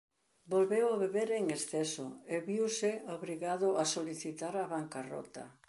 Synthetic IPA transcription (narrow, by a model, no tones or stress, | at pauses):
bolβewaβeβeɾeŋesθɛsʊeβiwsɪoβɾiɣaðʊasoliθit̪aɾaβaŋkarɔ̰t̪ɐ̰